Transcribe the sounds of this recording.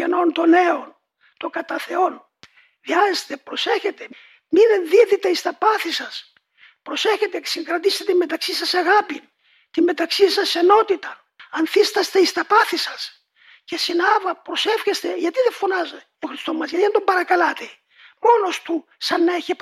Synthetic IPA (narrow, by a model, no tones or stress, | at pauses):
eno̞nt̪o̞ne̞o̞n | t̪o̞kɐt̪ɐθe̞o̞n | viɐzst̪e̞pɾo̞se̞çe̞t̪e̞ | minenðiðit̪e̞ist̪ɐpɐθisɐs | pɾo̞se̞çe̞t̪esiŋkɾɐt̪ist̪et̪immet̪ɐksisɐsɐɣɐpin | t̪imme̞t̪ɐksisɐse̞no̞t̪it̪ɐn | ɐnθist̪ɐst̪eist̪ɐpɐθisɐs | ce̞sinɐvɐpɾo̞sefçest̪e̞ʝɐt̪iðeɱfo̞nɐze | oxɾist̪o̞mɐzʝɐt̪ind̪ombɐɾɐkɐlɐt̪e | mo̞no̞st̪u | sɐnːeçep